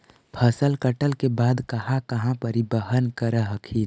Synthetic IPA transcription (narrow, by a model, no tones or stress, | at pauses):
pʰəsəlkəʈəlkebaːd̪kɐhãkɐɦãpəɾibəɦənkəɾəɦəkʰiːn